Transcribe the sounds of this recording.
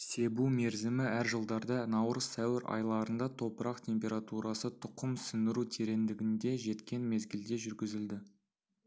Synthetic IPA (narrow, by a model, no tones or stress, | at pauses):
se̞bume̞ɾzɪmɪæɾʒəlˠd̪ɑɾd̪ɑnɑwɾəzt̪ʰæwɪɾʔɑ̰jlˠɑɾənd̪ɑt̪ʰo̞pəɾɑqt̪ʰʲe̞mpʲe̞ɾat̪uɾɑsət̪ʰʊqəmsʏnd̪ɪɾut̪ʰe̞ɾe̞nd̪ɪɡʲɪnd̪e̞ʒe̞t̪kʲe̞nme̞zɡʲɪld̪e̞ʒʏɾɡʲɪzɪld̪ɪ